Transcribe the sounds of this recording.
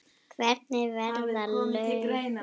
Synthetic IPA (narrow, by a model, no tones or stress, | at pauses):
kʰvɛɾt̪̚nɪvɛɾðalœ